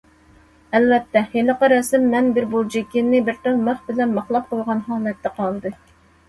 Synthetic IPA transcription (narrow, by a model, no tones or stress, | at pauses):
ɛlvɛt̪ːɛheləqɑɾɑsɪmːɛnbɪɾbud͡ʒikʲinːɪbɪɾt̪ɨnməχbɪlɛnmɑχlˠɑq̚qolʁɑnɦɑːlˠɛt̪ʰːɛqʰɑlˠd̪ɨ